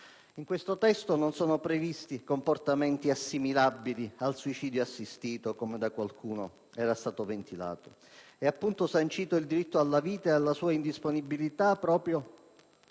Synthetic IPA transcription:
iŋkwest̪ot̪ɛst̪ononsoːnopɾevist̪ikomport̪amɛnt̪iasːimilabːilialsuit͡ʃiːd̪joasːist̪iːt̪okomed̪akwalkʰuːno | ɛːɾast̪aːt̪ovent̪ila̰ːt̪o | ɛapːunt̪osant͡ʃiːt̪oild̪iɾit̪ːoalːaviːt̪aealːasuːaind̪isponibilit̪apːɾɔːpɾjo

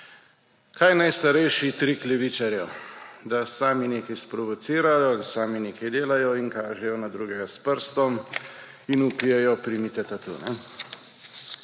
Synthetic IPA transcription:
kʰajnajst̪aɾɛjʃit̪ɾiklɛʋiːt͡ʃaɾjɛwd̪asaːmineːkajspɾɔʋɔt̪siːɾajɔilsaːmineːkajd̪eːlajɔinkaːʒɛjɔnad̪ɾuːɡɛɡaspəɾst̪ɔm | inupijɛjɔpɾimit̪ɛt̪at̪ṵːnɛ

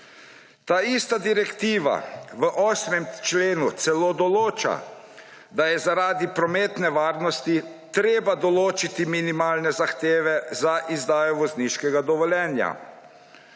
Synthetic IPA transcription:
t̪aːist̪ad̪iɾɛkt̪iːʋa̰ʋəʔɔːsmɛmt͡ʃleːnut̪sɛloːd̪ɔloːt͡ʃa̰ | d̪ajɛzaɾaːd̪ipɾɔmeːt̪nɛʋaːɾnɔst̪it̪ɾeːbad̪ɔloːt͡ʃit̪iminimaːlnɛzaxt̪eːʋɛzaʔizd̪aːjɔʋɔzniʃkɛɡad̪ɔʋɔljɛːnja̰

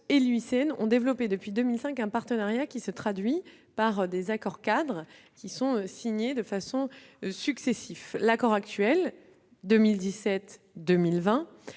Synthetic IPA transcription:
elyiseɛnɔ̃d̪evlɔped̪əpɥid̪əmilsɛ̃kɛ̃paʁt̪ənaʁjakʲisət̪χad̪ɥi | paʁd̪ezakɔʁkad̪ʁ | kʲisɔ̃øsiɲed̪əfasɔ̃syksesiflakɔʁak̚t̪ɥɛl | d̪əmild̪isɛt̪ | d̪ømilvɛ̃

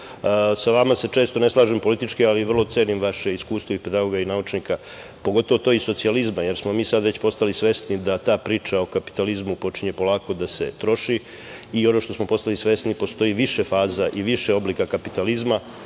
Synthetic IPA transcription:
saʋamase̞t͡ʃe̞ːst̪o̞ne̞slˠaːʒempolit̪it͡ʃkialiʋr̩lˠo̞t̪seːnimʋaʃe̞iskuːst̪ʋoipe̞d̪aɡo̞ɡainaut͡ʃnika | poɡo̞t̪o̞ʋot̪oʋoiso̞t̪sializmaje̞ɾsmo̞miːsad̪ʋe̞t͡ɕpo̞st̪alisʋe̞snid̪at̪aːpɾiːt͡ʃao̞kapi̥t̪alizmupo̞t͡ʃiɲe̞po̞lˠaːko̞d̪ase̞̰t̪ɾo̞ʃi | iːo̞no̞ʃt̪o̞smo̞po̞st̪alisʋe̞snipo̞st̪o̞iʋiʃefaːzaʔiʋiʃeo̞blikakapit̪alizma

